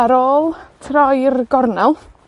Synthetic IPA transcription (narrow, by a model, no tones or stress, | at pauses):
aɾoːlˠtʰrɔjrɡɔrnalˠ